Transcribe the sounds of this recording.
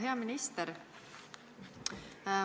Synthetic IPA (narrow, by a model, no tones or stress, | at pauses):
ɦjamɪnist̪ɛɾ